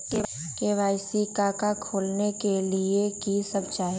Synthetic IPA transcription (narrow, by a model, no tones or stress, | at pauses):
te | keʋaːɪsikakakʰoːlnekeliekisəb̚t͡ʃaː